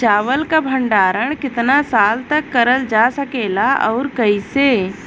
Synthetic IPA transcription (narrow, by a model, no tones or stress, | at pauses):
t͡ʃaːʋəlkabʱə̃ɳɖaːɾəɽ̃kɪt̪nasaːlt̪ɐkːɐɾəld͡ʒaːsɐkeːlaʔɔ̰ːɾkɐise